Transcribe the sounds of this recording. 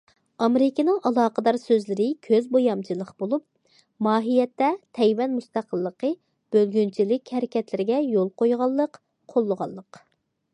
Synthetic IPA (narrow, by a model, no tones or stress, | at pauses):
ɑmɪɾɪkʲinɨŋʔɑlˠɑːqəd̪ɑɾsøzlɪɾɪkʲʰøzbojɑmt͡ʃʰilˠəqbolˠup̚ | mɑːɦijɛt̪ːɛt̪ʰɛjwɛnmust̪ɑqʰəlˠːəqə | b̥ølɡʲynt͡ʃʰilɪkʲhɛɾɪkʲɛt̪lɪɾɪɡʲɛjolˠqʰojʁɑlˠːəq | qʰolˠːəʁɑ̰lˠːəq